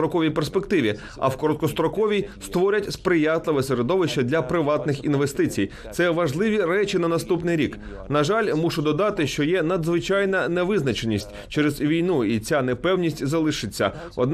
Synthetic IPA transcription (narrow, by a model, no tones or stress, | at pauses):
ɾɔkɔʋʲijperspekt̪ɪʋʲi | ɐ̰wkɔɾɔt̪̚kɔst̪ɾɔkɔʋʲijst̪ʋɔɾʲɐtʲspɾɪjat̪lˠɪʋɛseɾɔd̪ɔʋɪʃt͡ʃːɐd̪ʲlʲɐpɾɪʋɑt̪nɪxinʋest̪ɪt͡sʲij | t̪sɛʋɐʒlˠɪʋʲiɾɛt͡ʃʲinɐnɐst̪upnɪjɾʲik | nɐʒɑlʲmuʃʊd̪ɔd̪ɑt̪ɪʃt͡ʃɔjɛnɐd̪zʋɪt͡ʃɑjnɐnɛʋɪznɐt͡ʃenʲisʲtʲt͡ʃɛɾɛzʋʲijnuit͡sʲanɛpɛwnʲisʲtʲzɐlˠɪʃɪt͡sʲːɐ̰ | ɔ̰d̪n